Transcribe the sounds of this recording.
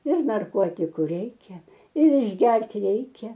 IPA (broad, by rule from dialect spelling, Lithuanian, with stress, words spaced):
ɪr nɐrˈkoːtʲɪkʊ ˈrʲɛɪkʲɛ ɪr ɪʒʲˈɡʲɛrʲtʲ ˈrʲɛɪkʲɛ